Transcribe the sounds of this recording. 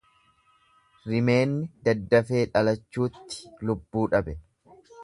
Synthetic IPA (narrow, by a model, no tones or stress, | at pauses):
ɾɪme̞ːnːɪd̪ɐd̪ːɐfeːᶑɐlɐt͡ʃːuːt̪ːɪ̥lʊbːuːᶑɐbɛ